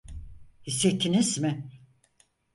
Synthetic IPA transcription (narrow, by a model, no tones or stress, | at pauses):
hiset̪ʰinizmɪ